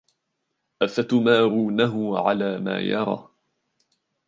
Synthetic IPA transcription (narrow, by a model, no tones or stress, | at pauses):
ʔafat̪maːɾuːnaɦʊʕalaːma̰ːjɑɾˤɑ̰ː